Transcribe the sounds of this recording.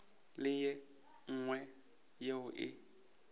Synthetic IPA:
lɪjɛ | ŋ̩ŋwɛ | jeʊʔɪ̰

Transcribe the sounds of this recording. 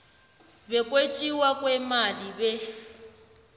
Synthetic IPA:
bɛkʼwet͡ʃʼiwakʼwɛmalibɛ

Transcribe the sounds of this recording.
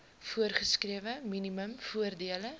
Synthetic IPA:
fuərχəskriəvəminiməmfuərdiələ

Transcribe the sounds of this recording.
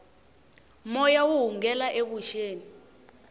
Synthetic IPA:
mɔjawuɦuŋɡɛlaʔekuʃeːni

